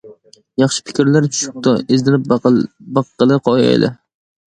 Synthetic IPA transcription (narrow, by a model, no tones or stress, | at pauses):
jɑχʃɪ̥pʰɪ̥kʲɪɾlaɾt͡ʃʰʊ̥ʃɪp̚t̪ʰɒɪzd̪ɪɾɪp̚bɑqːɨlˠɪqʰɒja̰jlɪ̰